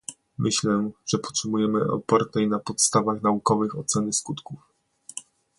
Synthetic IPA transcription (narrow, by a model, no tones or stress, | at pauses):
mʔɘɕlɛʐ̥ɛpɔ̥t̪ʂɘmujɛmɘɔ̰pɔɾt̪ɛjnapɔt̪st̪avaxnaukɔvɘxɔt̪sɛnɘskut̪kuf